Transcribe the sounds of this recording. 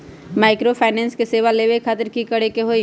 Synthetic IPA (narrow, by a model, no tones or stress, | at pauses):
maːɪkɾopʰaːɪnɛ̃ːnskeseːʋaleːʋekʰaːt̪əɾkikɐɽekeɦoi